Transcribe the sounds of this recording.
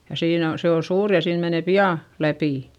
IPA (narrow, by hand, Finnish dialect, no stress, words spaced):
jɑ siːn on se o suːr jɑ siːn mene piɑˑ læpiˑ